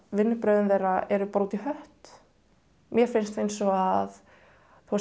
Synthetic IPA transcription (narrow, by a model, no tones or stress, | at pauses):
vɪnːɪpɾœːðʏnθejraɛɾʏpɾuːt̪iɦœht̪ | mjɛɾfɪnst̪fejnsɔað | θua